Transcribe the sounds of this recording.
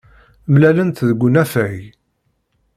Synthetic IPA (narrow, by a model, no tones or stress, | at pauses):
mlælənt̪ðəɡʷːʊnæfæj